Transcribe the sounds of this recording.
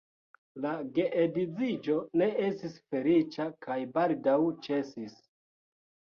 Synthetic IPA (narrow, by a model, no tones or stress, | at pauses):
laɡe̞ʔedizid͡ʒo̞ne̞e̞stisfe̞lit͡ʃakʰajbaldawt͡ʃe̞sis